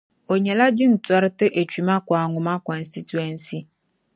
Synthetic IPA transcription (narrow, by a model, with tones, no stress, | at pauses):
o˨ɲɛ˨la˦d͡ʑi˦n̩˨tʊ˨a˦ɾɪ˦tɪ˦ʔe˨t͡ʃᶣi˨mã˦kʊ˨a˨ŋʊ̃˨mã˦kɔ˨n̩˨sti˦tu˨ɛ˨n˦si˦